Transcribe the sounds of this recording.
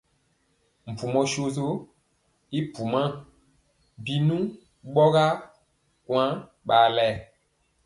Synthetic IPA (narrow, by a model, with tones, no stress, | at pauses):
m̩˨pu˨mɔ̃˨ʃo˨zo˦ | i˦pu˨mã˦˨ | bi˨nũ˦ | ɓɔ˦ɣa˦ | kw̃ã˦ | ɓa˨lɛ˦˨